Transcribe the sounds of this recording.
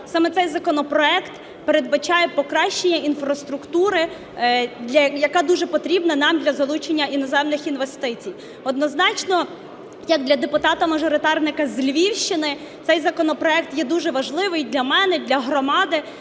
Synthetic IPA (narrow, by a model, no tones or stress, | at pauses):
sɑmɛsɛjzɐkɔnɔpɾɔɛkt̪ | peɾe̞d̪̚bɐt͡ʃɑjɛpɔkɾɑʃt͡ʃːenʲːɐinfɾɐst̪ɾʊkt̪uɾɪ | dlʲɐjɐkɑd̪uʒɛpɔt̪ɾʲibnɐnɑmd̪ʲlʲɐzɐlˠut͡ʃenʲːɐʔinɔzɛmnɪxinʋest̪ɪt͡sʲij | ɔd̪nɔznɑt͡ʃnɔ | jɐk̚d̪lʲɐd̪epʊt̪ɑt̪ɐmɐʒɔɾɪt̪ɑrnɪkɐzʲlʲʋʲiwʃt͡ʃɪnɪ | t̪sɛjzɐkɔnɔpɾɔɛk̚t̪jɛd̪uʒɛʋɐʒlˠɪʋɪjd̪lʲɐmɛnɛd̪lʲɐɦɾɔmɑd̪ɪ